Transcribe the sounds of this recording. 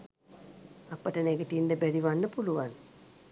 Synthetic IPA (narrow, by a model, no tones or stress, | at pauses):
apəʈəneɡət̪ind̪əbæɾiʋanːəpuluʋan